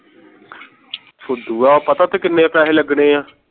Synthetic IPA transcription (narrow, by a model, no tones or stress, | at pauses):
sʊd̪uːaːpət̪aːt̪eːkɪnːẽːaːpɛːɦeːləɡneːãː